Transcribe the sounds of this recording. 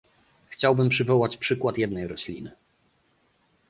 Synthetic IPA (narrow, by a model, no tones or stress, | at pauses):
xt͡ɕawbɘmpʂɘvɔwat͡ɕpʂɘkwat̪jɛd̪nɛjɾɔɕlʲḭnɘ